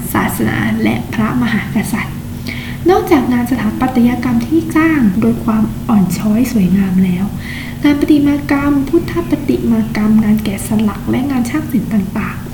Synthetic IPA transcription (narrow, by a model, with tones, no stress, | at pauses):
sa̰ː˨˩t̪̚sa˧na̰ː˩˦lɛ˦˥ʔpʰɾa˦˥ma˧ɦaː˩˦ka˧sa˨˩t̪̚ | nɔː˥˩ŋt͡ɕaː˨˩k̚ŋaː˧nsa˧t̪ʰaː˩˦npa˨˩t̪ʰːa˧jaː˧ka˧mt̪ʰiː˥˩t͡ɕaː˥˩ŋdoː˧jkʰwaː˧mʔɔː˨˩nt͡ɕʰɔː˦˥jsu˨˩˦jŋaː˧mlɛː˦˥w | ŋaː˧npa˧t̪i˨˩maː˧ka˧mpʰuː˦˥˩t̪ʰːa˦˥pːa˧t̪i˨˩ʔmaː˧ka˧mŋaː˧nkɛː˨˩sa˧la˨˩k̚lɛ˦˥ʔŋaː˧nt͡ɕʰaː˥˩ŋ̚si˨˩˦nt̪aː˨˩ŋt̪aː˨˩ŋ